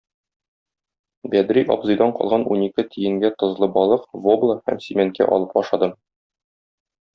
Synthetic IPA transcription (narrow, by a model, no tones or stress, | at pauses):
bæd̪ɾiʔɒ̰bzɤ̆jd̪ɑɴqɒ̰lˠʁɑnunikɘt̪ʰijɘ̆ŋɡæt̪ɤ̆zlˠɤbɒlˠɤqvoblˠəhæ̰msʲimʲen̚kæ̰ʔɒ̰lˠɤpɒʃɑd̪ɤm